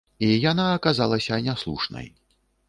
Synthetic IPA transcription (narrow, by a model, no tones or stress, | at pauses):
ijanaːkazalˠɐsʲɐnʲaslˠṵʂnɐ̰j